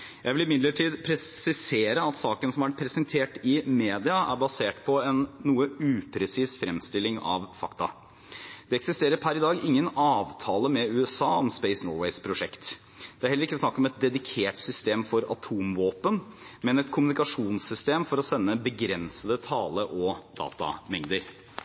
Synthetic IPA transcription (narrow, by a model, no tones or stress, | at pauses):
jæɪʋɪlɪmɪd̪ləʈʰiːd̪pʰɾɛsɪseːɾəɑt̪sɑːkənsɔmæɾpʰɾɛsənt̪ʰeːʈɪmeːd̪ɪɑʔæ̰ɾbɑseːʈpʰɔɛnːuːəʉːpʰɾɛsiːsfɾɛmst̪ɪlːɪŋɑ̰ʋfɑkt̪ɑ̰ | d̪̥ɛɛksɪst̪eːɾəɾpʰæɾɪd̪ɑːɡɪŋːənɑːʋt̪ʰɑːləmɛʉːɛsɑːɔmspɛɪsnɔːwɛɪspʰɾʊʂɛkt̪ | d̪̥ɛæɾhɛlːəɾɪkːəsnɑkːɔmɛt̪̚d̪ɛd̪ɪkʰeːʈsʏst̪eːmfɔɾɑ̰t̪ʰuːmʋoːpənmɛnɛt̪kʰʊmʉnɪkɑʂuːnsʏst̪eːmfɔɾɔsɛnːəbəɡɾɛnsəd̪ət̪ʰɑːləʔɔd̪ɑ̰ːt̪ɑ̰mɛŋd̪əɾ